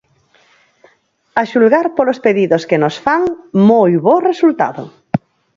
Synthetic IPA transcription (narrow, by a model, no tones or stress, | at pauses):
aʃulɣaɾpolospeðiðoskenosfaŋmojβoresult̪a̰ðo